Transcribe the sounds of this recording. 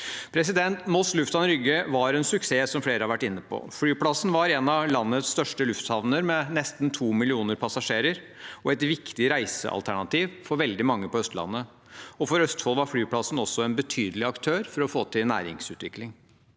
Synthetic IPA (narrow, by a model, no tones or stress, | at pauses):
pʰɾɛs̬ɪd̪ɛnt̪mɔslʉft̪ɑnɾʏɡəʋɑɾɛnsʉkseːsɔmfleːɾəhɑʋæʈːɪnːəpʰɔ̰fɽyːplɑsːnʋɑɾɛnɑlɑnːəst̪œʂʈəlʉft̪hɑʋnəɾmɛnɛst̪n̩t̪ʰuːmɪlɪuːnəɾpʰɑsɑʂeːɾəɾ | ɔɛt̪ʋɪkt̪ɪɾæɪsə̰ʔɑ̰lt̪ʰæɳɑt̪iːʋfɔɾʋɛld̪ɪmɑŋːəpɔœst̪lɑ̰nːə | ɔfɔɾœst̪fɔlʋɑɾflyːpʰlɑsn̩ɔsːɔɛnbət̪ʰyːd̪əlɪɑkt̪ʰøːɾfɔɾɔfoːt̪ʰɪlnæ̰ːɾɪ̰ŋsʉːt̪ʋɪklɪŋ